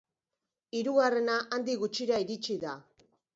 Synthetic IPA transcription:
iɾuɣare̞naʔand̪iɣut͡ʃiɾaiɾit͡ʃiða

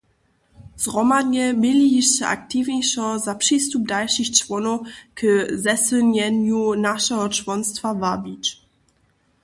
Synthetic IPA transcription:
z̥ʁɔmadɲɛmiliiʃɛa̰kt̪ivɲɛjʂɔ̃zapʂist̪ub̚dalʂiçt͡ʂvɔnɔkzɛsəɲɛɲunaʂɛɦɔt͡ʂvɔnst̪favabʲit͡ʃ

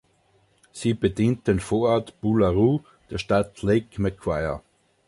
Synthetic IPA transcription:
siːb̥ediːntənfoːɐɔɐtb̥ulaʁuː | d̥eːɐʃtatleɪkmɛkʰwaɪɐ̰

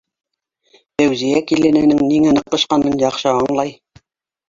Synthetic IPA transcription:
fæwzijækilɘ̆nænɘŋniŋænɤ̆q̚t̪ɤ̆ʃqɑnɤnjɑqʃɤɑɴlˠɑj

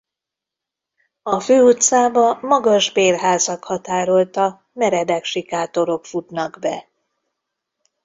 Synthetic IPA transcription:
ɒføːut̪saːbɒmɒɡɒʒbeːrɦaːzɒkhɒt̪aːɾo̞lt̪ɒ | mɛɾɛd̪ɛkʃikaːt̪o̞ɾo̞kfut̪nɒɡbɛ

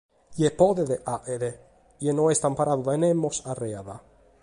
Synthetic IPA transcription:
jepoðeðeʔaʔeðe | jenoest̪ampaɾʔaðuðaenemosareaða

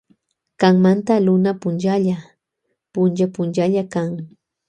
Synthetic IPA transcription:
kaŋmant̪alʊnapʊnt͡ʃaʎa | pʊnt͡ʃapʊnt͡ʃaʎakaŋ

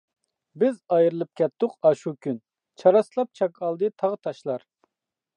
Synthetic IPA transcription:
bɪzɑjɾɨlˠɨp̚kʲɛt̪ːʊqɑʃukʲyn | t͡ʃʰɑɾɑslˠɑp̚t͡ʃʰɑkʰɑlˠd̪ɨt̪ʰɑʁt̪ʰɑʃlˠɑɾ

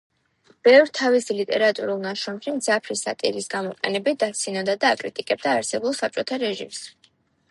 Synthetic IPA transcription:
b̥ɛvɾt̪ʰavisilit̪ʼɛɾat̪ʼuɾulˠnaʃɾɔmʃimd̪zapʰɾisa̰t̪ʼḭɾisɡamɔqʼɛ̰nɛbid̪at̪sʰinɔd̪ad̪aːkʼɾit̪ʼikʼɛb̚d̪aːɾsɛbulˠsap̚t͡ʃʼɔt̪ʰaɾɛʒḭms

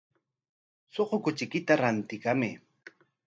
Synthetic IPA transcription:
soqokʊt͡ʃɪkɪt̪aɾant̪ɪkamɪ

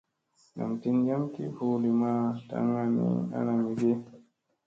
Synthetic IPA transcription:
na̰mtind͡ʒamkḭfulimata̰ŋɡanḭa̰namiɡɛ

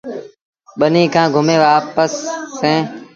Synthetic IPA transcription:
ɓənĩːkʰãːɡʱʊmẽːʋaːpəsːẽː

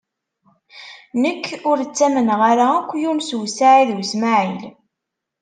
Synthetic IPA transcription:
nəkːʊɾt͡sːæmənʁaɾakʷːjumswsaʕiðwsmaʕil

